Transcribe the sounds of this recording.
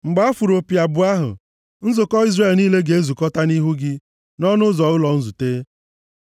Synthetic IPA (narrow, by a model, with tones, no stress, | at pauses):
ŋ͡m̩˨ɡ͡ba˦a˦fu˨ɾo˨pja˨bʊ˨a˦ɦʊ̰˨ | n̩˦zʊ˨kɔ˦i˦zre˦˨lniː˦le˦ɡe˨e˦zu˨kɔ˦ta˦ni˦ɦu˦ɡɪ˦ | nɔ˦nʊ˦zɔ˨ʊ˦lɔ˨n̩˦zu˨teː˦